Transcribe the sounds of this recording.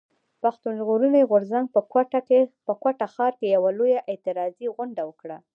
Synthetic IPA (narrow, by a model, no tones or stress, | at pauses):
paxt̪unʒɣoɾuniɣʊɾzaŋɡ̚pəkwaaepəkwaʈaxɑɾkejawalojaʔɪt̪ɪɾɑziɣʊɳɖawəkɽa